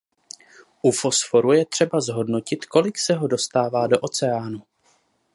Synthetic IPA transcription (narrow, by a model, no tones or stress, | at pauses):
ʔufo̞sfo̞ɾujɛt̪r̝̥ɛbazɦo̞dno̞cɪt̪ko̞lɪksɛɦo̞do̞st̪aːvaːdo̞ʔo̞t͡sɛaːnu